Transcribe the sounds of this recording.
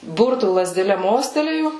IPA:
ˈbʊrtuː lˠɐzʲdʲɛˈlʲɛ ˈmoːsʲtʲɛlʲeːjʊ

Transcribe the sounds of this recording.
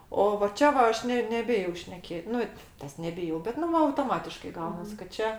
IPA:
oː ʋɐ ˈt͡ʃʲɛ ʋɐ ˈɐʃ ˈnʲɛ nʲɛˈbʲɪjɛʊ ʃʲnʲɛˈkʲeːtʲ ˈnʊ ˈtɐs nʲɛˈbʲɪjɛʊ bʲɛt ˈnʊ ˈʋɐ ɐʊtoːˈmɑːtʲɪʃkɐɪ ˈɡɐʊnɐs kɐt ˈt͡ʃʲɛ

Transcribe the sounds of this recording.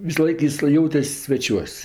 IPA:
ʋʲɪsɐˈlˠɐɪk ˈjɪs ˈjɛʊtʲɛsʲ sʲʋʲɛˈt͡ʃʲuɔsʲ

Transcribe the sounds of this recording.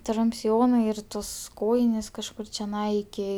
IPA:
ˈtrʊmʲpʲ sʲɪˈjoːnɐɪ ɪr ˈtoːs ˈkoːjɪnʲeːs kɐʃˈkʊr t͡ʃʲɛˈnɐɪ ɪˈkʲɪ

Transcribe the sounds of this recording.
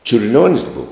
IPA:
t͡ʃʲʊrʲˈlʲoːnʲɪs ˈbʊʋoː

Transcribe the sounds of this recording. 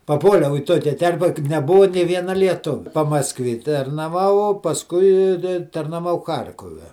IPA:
pɐˈpuɔlʲɛʊ iː ˈtoːkʲɛ ˈtʲɛrʲpʲɛ kɐ nʲɛˈbʊɐ nʲeː ˈʋʲiɛnɐ lʲiɛˈtʊʋʲɛ pɐmɐsˈkʋʲeː tɐrnɐˈʋɐʊ pɐsˈkʊɪ ɪ ɪ tɐrnɐˈʋɐʊ ˈxɐrʲkoːʋʲɛ

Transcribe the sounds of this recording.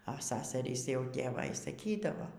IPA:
ɐ ˈsɑːsɐrʲiːs jɛʊ tʲeːˈʋɐ iː sɐˈkʲiːdɐʋoː

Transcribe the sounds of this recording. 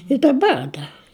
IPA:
ɪ dɐˈbɐr ˈdɐr

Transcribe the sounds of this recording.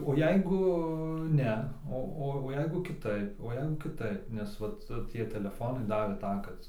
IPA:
oː ˈjɛɪɡʊ ˈnʲɛ ˈoː ˈoː oː ˈjɛɪɡʊ kʲɪˈtɐɪp oː ˈjɛɪɡʊ kʲɪˈtɐɪp nʲɛs ˈʋɐt ˈtʲiɛ tʲɛlʲɛˈfoːnɐɪ ˈdɑːʋʲeː ˈtɑː kɐt

